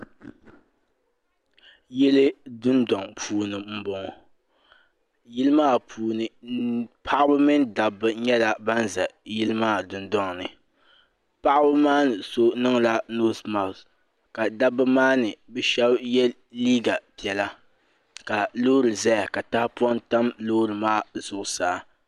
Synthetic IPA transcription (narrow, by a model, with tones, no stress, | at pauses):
jɛ˦lɨ˦dʊ˦ndɔ˨ŋpʰuː˨nɨ˨m̩˦bɔ˨ŋɔ˨ | jɪ˦lɨ˦maː˦pʰuː˨nɨ˨pʰa˦ʔa˦bɨ˦mɨ˦nda˨bɨ˦ɲɛ˦la˨ba˦nza˨jɪ˦lɨ˦maː˦˨dʊ˨ndɔ˦ŋnɨ̰˨ | pa˦ʔa˦bɨ˦maː˦nɨ˨so˦nɨ˦ŋ˦la˦noː˦sma˨s | ka˨da˦bɨ˦maː˦nɨ˨bɛ˦ʃɛ˦bjɛ˦ | liː˦ɡa˨pi˨ɛ˨la˦ | ka˨lo˦ɾɨ˨za˦ja˨ka˨ta˦hpu˦ɔ˦nta˦mloː˦ɾɨ˨maː˦z̥ʊ˨ʔʊ˨saː˨˦